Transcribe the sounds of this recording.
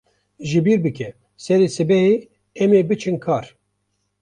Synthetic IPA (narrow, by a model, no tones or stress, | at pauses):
ʒɨbiːɾbɨkɛ | sɛɾeːsɨbɛhe | ɛmeːbɨt͡ʃʰɨnkʰaːɾ